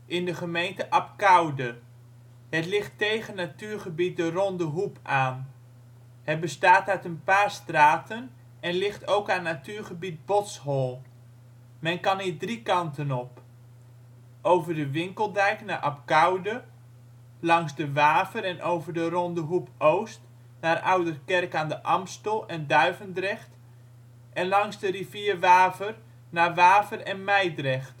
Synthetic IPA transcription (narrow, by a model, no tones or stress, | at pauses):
ʔɪndəχəmejntəʔɑp̚kawdə | ɦətlɪχtːejχənatyːɹχəbit̚dərɔndəɦupʰaːn | hɛbəstaːtœɥtənpaːrstraːtən | ɛnlɪχtowkanːatyːɹχəbit̚bɔtshɔlˠ | mɛnkɑniːdrikɑntənɔp | ʔowvərdəʋɪŋkəlˠdɛjknaʔɑp̚ɡawdə | lɑŋzdəʋaːvəɾɛnʔowvərdərɔndəɦupʰowst | naːrawdərkɛrkaːndəʔɑmstəlˠɛndœɥvəndrɛχt | ʔɛnlɑŋzdəriviərʋaːvər | naʋaːvərɛnmɛjdrɛxt